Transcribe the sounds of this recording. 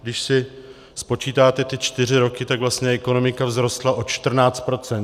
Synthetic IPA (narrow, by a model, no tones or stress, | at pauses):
ɡdɪʃsɪ | spo̞t͡ʃiːt̪aːt̪ɛt̪ɪt͡ʃt̪ɪr̝ɪɾo̞kɪt̪aɡvlast̪ɲɛʔɛko̞no̞mɪkavzɾo̞st̪laʔo̞t͡ʃt̪r̩naːt͡st̪̚pɾo̞t͡sɛn